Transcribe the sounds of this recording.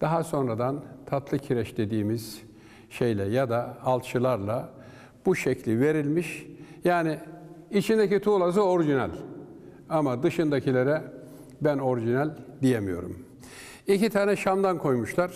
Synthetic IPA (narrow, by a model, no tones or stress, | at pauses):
d̪̥aɦaso̞nɾad̪ant̪ʰat̪lˠɯcʰiɾɛʃd̪e̞d̪iːmiz̥ | ʃejlʲɛjad̪aːlˠt̪t͡ʃʰɯlˠaɾlˠa | b̥uʃɛclʲive̞ɾilʲmiʃjaːniːt͡ʃʰind̪ecit̪ʰuːlˠas̬ɯoɾʒinælʲ | amad̪ɯʃɯnd̪acʰilʲe̞ɾɛ | bæno̞ɾʒinælʲd̪ijemijo̞̰ɾṵm | icit̪ʰaːnɛʃamd̪ankʰo̞jmuʃlˠaɾ̥